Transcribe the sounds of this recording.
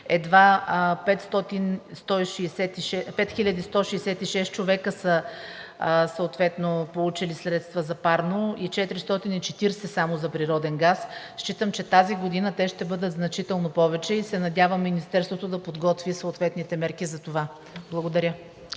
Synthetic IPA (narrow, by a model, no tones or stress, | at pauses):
ɛd̪vapɛt̪st̪ɔt̪inst̪ɔiʃiːsɛt̪iʃɛpɛt̪xilʲəd̪ist̪ɔʃɛːsɛt̪iʃɛst̪t͡ʃovɛkəsə | səot̪vɛt̪nopolˠut͡ʃilisɾɛt̪st̪vəzɐpaɾnoit͡ʃɛt̪ɾist̪ɔt̪init͡ʃɛt̪iɾsɛsamozɐpɾiɾɔd̪ɛnɡas | ʃt͡ʃit̪əmt͡ʃɛt̪aziɡod̪inət̪ɛʃt̪ɛbɤd̪ət̪znɐt͡ʃit̪ɛlˠnopɔvɛt͡ʃɛisɛnɐd̪ʲjavəmːinist̪ɛɾst̪vot̪od̪ɐpod̪ɡɔt̪visooːt̪vɛt̪nit̪ɛmɛɾkizɐt̪ova | blˠɐɡod̪ɐɾʲjə